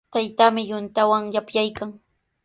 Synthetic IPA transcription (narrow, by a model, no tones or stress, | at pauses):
t̪ajt̪amɪjʊnt̪awaŋjapjajkaŋ